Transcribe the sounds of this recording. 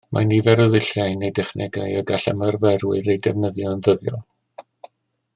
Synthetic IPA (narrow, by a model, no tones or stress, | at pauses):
mʔa̰nivɛɾɔðɪɬjajnejdɛχnʔɛɡa̰jɔɡaɬə̰mərvɛrwɪɾejdɛvnəðjɔnðəðjɔ̰